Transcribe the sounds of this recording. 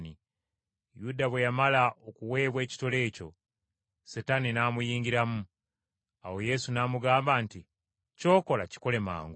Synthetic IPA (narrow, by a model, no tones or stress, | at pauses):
ni | judaβwe̞jamalaʔokuwe̞ːβwe̞ːci̥tole̞ːco̞̰ | setaninaːmujiːŋɡiɾamu | awo̞je̞sunaːmuɡaːmbanti | co̞ːko̞laci̥kole̞ma̰ːŋɡu